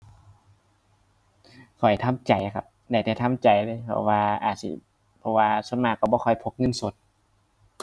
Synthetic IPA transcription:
kʰɔ˨˩jt̪ʰa˧˥˨mt͡ɕa˨˩ja˧˩kʰa˧p̚da˨˧˩jt̪ʰɛː˧˩t̪ʰa˧˥˨mt͡ɕa˨˩jlɤː˧˥˨jpʰɔ̰˧˩waː˧ʔaː˨˩t̪̚sḭ˧˦ | pʰɔ˧waː˧so˧˥˨nmaː˧˩kːɔ˧˩bɔː˧kʰɔ˧˩jpʰo˧˦k̚ŋɤ˧˥˨nso˨˦t̪̚

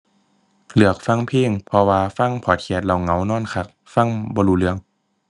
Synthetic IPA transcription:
lɯ˧˩ək̚fa˧˥˩ŋpʰiː˧˥˩ŋpʰɔ˧waː˧fa˧˥˩ŋpʰɔː˨˩t̪̚kʰi˧˩t̪̚la˧˩wŋa˧˦wnɔː˥˨nkʰa˧˩k̚ | fa˧˥˩ŋbɔː˧˦luː˧˩lɯ˧˦əŋ

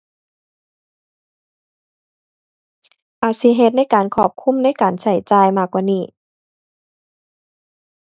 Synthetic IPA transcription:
ʔaː˧˩si˧˦ɦe˧˦t̪̚na˥˨jkaː˨˩nkʰɔː˧˩p̚kʰu˧˥˨mna˧˥˨jkaː˨˩nsʰa˧˩jt͡ɕaː˧jmaː˧˩kwaː˧˨niː˧˩

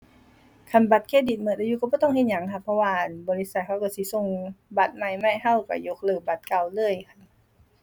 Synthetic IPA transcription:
kʰa˧˩nba˧˦t̪̚kʰeː˧˨di˨˩t̪̚mɤː˧˨˩ʔa˧ju˧˦ka˧˩bɔː˧˦t̪ɔ˧˥˨ŋhe˧n̚ɲa˨˦ŋkʰa˧˩pʰːɔ˧waː˧˩ʔnbɔː˧˨li˧˥sa˧t̪̚kʰa˧˩wka˧˩si˧˦so˧˩˨ŋba˧˩t̪̚ma˧˩jma˧˩˨jɦa˧˥˨wka̰˧˩jo˧k̚lɯː˧˩ba˨˦t̪̚ka˧˩wlɯː˧˩əjkʰa˧˩n

